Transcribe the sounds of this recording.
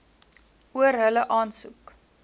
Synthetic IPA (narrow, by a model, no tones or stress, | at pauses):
uəɾɦələʔɑːnsuk